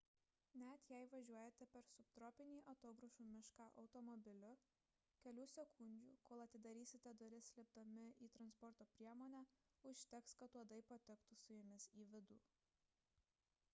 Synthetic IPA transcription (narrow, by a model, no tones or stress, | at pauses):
nʲæt̪jæɪʋɐʒʲuɔjɛt̪ʲɛpʲɛɾsʊpt̪ɾɔːpʲɪnʲiːʔɐt̪oːbɾʊʃuːmʲɪʃkɑːʔɐʊt̪ɔmɔbʲɪlʲʊ | kʲɛlʲuːsʲɛkʰʊnʲd͡ʒʲṵːkoːlˠɐt̪ʲɪd̪ɐɾʲiːsʲɪt̪ʲɛd̪ʋɐɾʲɪsʲlʲɪp̚d̪ɐmʲɪʔiːt̪ɾɐnspɔɾt̪oːpʲɾʲiɛmoːnʲæː | ʊʃʲt̪ʲɛkskɐt̪ːuɔd̪ɐɪpɐt̪ʲɪkt̪ʊsʊjɛmʲɪsiːʋʲɪd̪ṵː